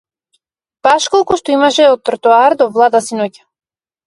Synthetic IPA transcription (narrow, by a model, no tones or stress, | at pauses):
paʃkɔlˠkuʃt̪ɔimaʃɛɔt̪ːɾt̪uaɾd̪ɔvlˠad̪asinɔcḁ